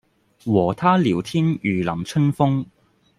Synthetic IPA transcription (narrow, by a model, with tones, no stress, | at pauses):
wɔː˨˩t̪ʰaː˥liː˨˩wt̪ʰiː˥njyː˨˩lɐ˨˩mt͡sʰɵ˥nfʊ˥ŋ